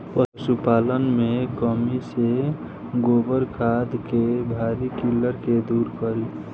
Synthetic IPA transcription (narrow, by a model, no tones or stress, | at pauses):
pəsupaːlənmẽkəmise | ɡoːbəɾkʰad̪kebʱaɾikiləɾked̪uːɾkəɾi